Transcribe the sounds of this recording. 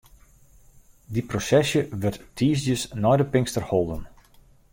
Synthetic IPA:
diprosɛsjəʋərttʰiːsdjəsnɔjdəpɪŋstərholˠdən

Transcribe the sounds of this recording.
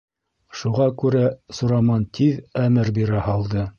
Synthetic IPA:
ʃuʁɑkʉɾæsŏɾɑmɑnt̪ʰiðæmɘɾbiɾæhɑlˠd̪ɤ

